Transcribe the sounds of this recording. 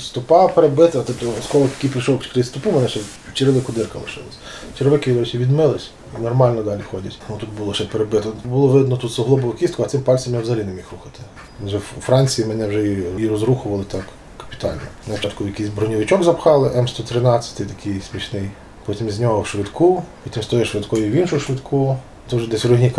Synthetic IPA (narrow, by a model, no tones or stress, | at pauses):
st̪ʊpɑpeɾebɪt̪ɐt̪ɔpt̪ɔskɔʋɔt̪ɐkijpɾɪʃɔwkkɾɪsʲt̪ʊpumenɛʃɛ | t͡ʃɪɾɪlˠɪkʊd̪ɪrkɐlˠɪ̰ʃɪ̰lˠɐ̰sʲ | t͡ʃeɾʋɪkɪjiɡɔɾʲɛt͡ʃʲiʋʲid̪mɪlˠɪsʲ | inɔrmɑlʲnɔd̪ɑlʲixɔdʲɐtʲnut̪ut̪bʊlˠɔʃɛpeɾebɪt̪ɔbʊlˠɔʋɪd̪nɔt̪ut̪sɔɦlˠɔbɔʋʊkʲist̪kʊɐt̪sɪmpɑlʲt͡sʲɐmjɛwzɐlʲinemʲixɾuxɐt̪ɪ̥ | ʒɛfɾɑnʲt͡sʲijimenɛwʒɛjiirɔzɾuxʊʋɐlˠɪt̪ɑk | kɐ̥pʲi̥t̪ɑ̰lʲnɔnɛt͡ʃɑt̪kʊjɐkʲijzʲbɾɔnʲiʋɪt͡ʃɔɡzɐpxɑlˠɪʔɛmst̪ɔt̪ɾɪnɑt͡sʲːɐ̥t̪ɪjt̪ɐkʰɪjsʲmʲiʃnɪj | pɔtʲimizʲnʲɔɦɔʃʋɪd̪kʰupɔtʲimst̪ɔjɛʃʋɪd̪kɔjʊiʋʲinʃʊʃʋɪd̪kʰu | t̪ɔʒɛd̪ɛsʲɾʊɦnʲik